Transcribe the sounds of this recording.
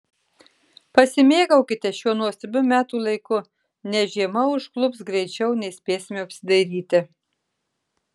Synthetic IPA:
pɐsʲɪmʲeːɡɐʊkʲɪt̪ʲɛʃʲuɔnuɔsʲɪɾʲbʲʊmʲæːt̪uːlˠɐɪkʊ | nʲɛʒʲiɛmɐʊʃklˠʊpsɡɾʲɛɪt͡ʃʲɛʊnʲɛɪsʲpʲeːsʲmʲeːɐpʲsʲɪd̪ɐɪɾʲiːt̪ʲɪ

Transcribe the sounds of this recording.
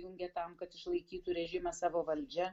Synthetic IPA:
jʊŋʲɡʲɛt̪ɐmkɐt̪ɪʃlˠɐɪkʲiːt̪uɾʲɛʒʲɪmɐsɑːʋoːʋɐlʲd͡ʒʲɛ

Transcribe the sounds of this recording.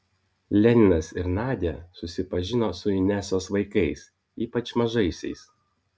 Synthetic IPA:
lʲɛnʲɪnɐsɪɾnɑːd̪ʲɛsʊsʲɪpɐʒʲɪnoːsʊɪnʲæsoːsʋɐɪkɐɪs | iːpɐt͡ʃmɐʒɐɪsʲɛ̰ɪs

